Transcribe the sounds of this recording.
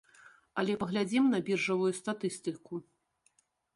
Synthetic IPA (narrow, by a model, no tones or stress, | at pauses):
ɐlʲɛpɐɣlʲad͡zʲimnɐbʲirʐɐvujust̪at̪ɨst̪ɨku